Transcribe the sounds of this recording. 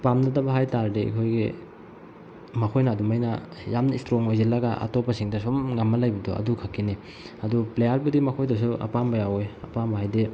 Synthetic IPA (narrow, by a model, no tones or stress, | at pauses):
pamnɐdɐbɐɦajtaɾdeḭkʰojɡe | mɐkʰojnɐːdumajnɐjamnɐistɾoŋojzelɐɡaʔa̰topɐsiŋdɐsumŋamːɐlajbɐdɔɐ̰dukʰakːini | ɐduplejaɾbudimɐkʰojdɔs̬uʔɐ̰pambɐjawejɐpambɐɦajde